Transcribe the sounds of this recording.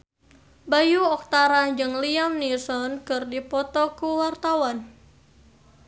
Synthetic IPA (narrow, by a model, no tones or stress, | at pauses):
bajuɔk̚t̪aɾaɲd͡ʒɨŋliamnisɔnkɨrdipɔt̪ɔkuwart̪awan